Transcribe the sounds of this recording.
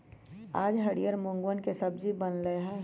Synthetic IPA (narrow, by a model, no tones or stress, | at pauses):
aːd͡ʒɦəɽijəɾmõːŋɡwənkesəb̚d͡ʒibənləeɦɛ̃